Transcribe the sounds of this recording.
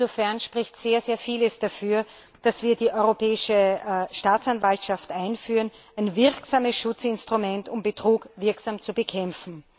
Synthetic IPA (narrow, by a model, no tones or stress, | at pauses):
zofɛɐnʃpʁ̥ɪçtz̥eːɐzeːɐfiːləsd̥afyːɐ | d̥asv̥iːɐdiːʔɔʏʁopʰɛːɪʃəʃtaːt͡sanvaltʃaftʔaɪnfyːʁən | æɪnvɪɐksaːməsʃʊt͡sɪnstʁ̥ʊmɛntʊmbətʁ̥uːkvɪɐksaːmt͡subəkʰɛmfn̩